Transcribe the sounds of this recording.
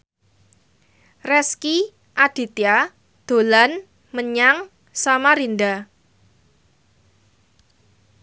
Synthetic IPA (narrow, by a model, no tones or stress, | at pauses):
rɛski | ʔad̥i̤t̪ia | d̪̥o̤lan | məɲaŋ | samaɾinda